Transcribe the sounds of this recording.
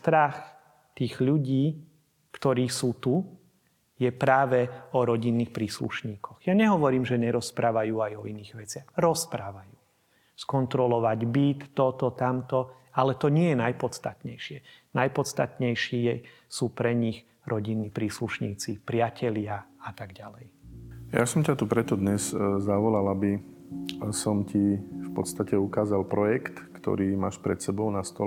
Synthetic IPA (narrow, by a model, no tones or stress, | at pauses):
st̪ɾax | t̪iːɣʎuɟiː | kt̪ɔɾiːsuːt̪u | jɛpɾaːʋɛɔɾɔɟinːixpɾiːslṵʃɲiːkʰɔɣjaɲɛɦɔʋɔɾiːmʒɛɲɛɾɔspɾaːʋajuːajɔiniːɣʋɛt͡sɪaɣɾɔspɾaːʋajuː | skɔnt̪ɾɔlɔʋaɟbit̪ːɔt̪ɔt̪amt̪ɔ | alɛt̪ɔɲɪɛjɛnajpɔt̪t͡st̪at̪ɲɛjʃɪɛnajpɔt̪t͡st̪a̰t̪ɲɛjʃiːɛ | suːpɾɛɲix | ɾʔɔɟinːipɾiːsluʃɲiːt͡sipɾɪacʰɛlɪaat̪aɡɟalɛjja̰sɔmcat̪upɾɛt̪ɔd̪ɲɛzzaʋɔlalabi | sɔmcifpɔt̪st̪acɛukaːzalpɾɔjɛkt̪kt̪ɔ̰ɾiːmaːʃpɾɛt̪sɛbɔʊnast̪ɔlɛ